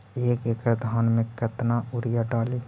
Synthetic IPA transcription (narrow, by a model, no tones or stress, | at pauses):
eːkeːkɾd̪ʱaːnmẽkət̪naʔʊɾjaɖaːliː